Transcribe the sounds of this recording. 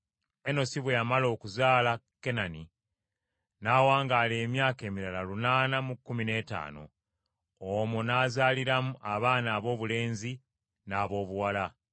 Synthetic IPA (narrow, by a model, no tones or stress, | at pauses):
eno̞siβwejamalo̞ːkuzaːlake̞nani | naːwaːŋɡale̞ːmjaːke̞ːmiɾalalunaːnamukːumine̞ːta̰ːno̞̰ | omonaːzaːliɾamuʔaβaːnaːβo̞ːβule̞ːnzi | naːβo̞ːβuwala